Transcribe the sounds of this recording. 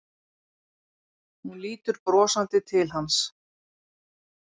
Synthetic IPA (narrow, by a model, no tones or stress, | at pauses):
hunliːt̪ʏɾpɾɔːsant̪ɪt̪ʰɪlɦans